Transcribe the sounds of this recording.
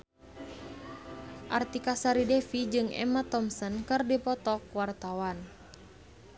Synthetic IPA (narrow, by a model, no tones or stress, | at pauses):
ʔart̪ikasaɾidɛfid͡ʒɨŋɛ̰mat̪ɔmsɔnkɨrdipɔt̪ɔkwart̪awan